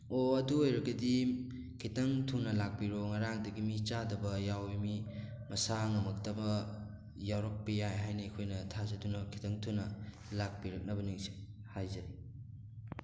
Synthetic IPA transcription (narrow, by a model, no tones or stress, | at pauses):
oɐduojɾɐɡɐdi | kʰitɐŋtʰunːɐlak̚piɾoŋɐɾaŋdɐɡimit͡ʃadɐbɐjawimi | mɐsaŋɐmɐk̚tɐbɐ | jawɾɐk̚pijajɦajnɐkʰojnɐtʰazɐdunɐkʰi̥tɐŋtʰunːɐ | lak̚piɾɐk̚nɐbɐniŋsi̥hajzɐɾi